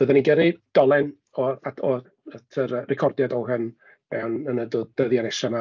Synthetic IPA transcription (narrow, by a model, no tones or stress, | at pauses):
əðaniɡəɾɪd̥ɔlˠɛn | ɔaɔ | ətʰəɾərɪkʰɔrdjadɔɦən | mɛwnənədʊðd̥əðjanɛsana